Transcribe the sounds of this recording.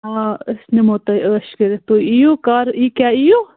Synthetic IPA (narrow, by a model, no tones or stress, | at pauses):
aəsnemoːt̪ɐəːʃkəɾet̪oijokaːɾiːkʲaːijo